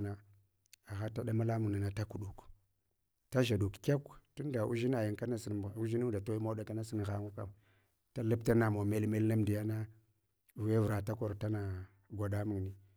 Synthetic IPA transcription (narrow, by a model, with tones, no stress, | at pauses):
na˦ | a˨ɣa˦ta˦ɗa˦ma˦la˦mu˨na˨na˨ta˦ku˨ɗu˨k | ta˦ʒa˨du˨kkʲa˦ktu˦n˦da˨ʔu˦ʒi˦na˨ji˨ŋka˦na˦si˨n˨u˦ʒi˦nu˦da˨to˦i˦ma˦da˨ka˦na˦si˦nɣa˦ŋu˦ka˦m | ta˦la˦pta˦na˨mo˨me˦lme˦lna˦m˨di˨ja˦na˦˨ | ve˦vɾa˨ta˦ko˨ɾta˦na˨ | ɡʷa˨da˦mu˨ŋni˨